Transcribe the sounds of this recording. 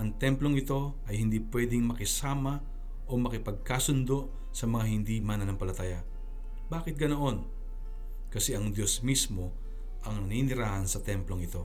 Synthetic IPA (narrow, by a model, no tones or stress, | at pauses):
ʔɐŋt̪ɛmplo̞ŋɪt̪o̞ | ʔɐjhɪnd̪iːpwɛːd̪ɪŋmɐkɪsaːmɐ | ʔo̞mɐkɪpɐɡ̚kaːsʊnd̪o̞ʔ | sɐmɐŋaɦɪnd̪iːmanɐnɐŋpɐlɐt̪aːjɐ | baːkɪt̪̚ɡɐnoʔo̞n | kɐsɛʔɐŋd̪jo̞smismo̞ | ʔɐŋnɐniːnɪɾaːhɐnsɐt̪ɛmplo̞ŋɪt̪o̞